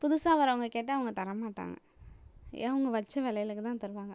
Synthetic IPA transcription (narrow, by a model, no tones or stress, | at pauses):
pʊðʊsaːʋɐɾɐʋɐŋɡɐkeːʈːɯɐʋɐŋɡɐt̪ɐɾɐmaːʈːa̰ːŋɡɐ̰ | ḛɐʋɐŋɡɐʋɐt͡ʃːɐʋɛːlɐjɪlɯkːɯt̪ãːt̪ɐɾɯʋaːŋɡɐ